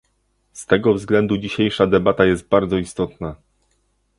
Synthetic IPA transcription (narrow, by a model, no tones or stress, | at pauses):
st̪ɛɡɔvzɡlɛnd̪ud͡ʑiɕejʂad̪ɛbat̪ajɛzt̪̚baɾd̪zɔist̪ɔt̪na